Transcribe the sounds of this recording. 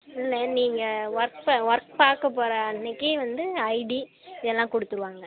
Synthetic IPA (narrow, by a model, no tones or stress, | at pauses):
ɪlːɐniːŋɡɐʋɐɾk̚pʋɐɾk̚paːɾkɐpːoːɾɐːnːɪkːɯʋɐnd̪ɯɐɪɖi | ɪðɛlːãːkɔɽɯt̪ːɯɾɯʋaːŋɡɐ